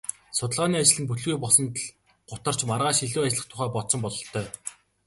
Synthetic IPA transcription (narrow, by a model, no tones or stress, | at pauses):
sʊt̪ə̆ɮʁaːniːat͡ɕɪ̆ɮɘ̆npuɮɣuːjpɔɮsɞ̆nt̪ə̆ɮ | ɢ̥ʊt̪ə̆r̥t͡ɕmarʁaːʃiɮuːat͡ɕɪ̆ɮə̆χt̪ʰʊχæːpɔtt͡sɞ̆mpɔɮɞ̆ɬt̪ʰːœː